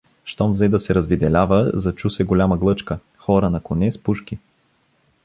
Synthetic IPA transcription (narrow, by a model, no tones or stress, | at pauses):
ʃt̪ɔmvzɛd̪ɐsɛɾɐzvid̪ɛlʲavəzɐt͡ʃusɛɡolʲaməɡlˠɤt͡ʃkə | xɔɾənɐkonɛspuʃki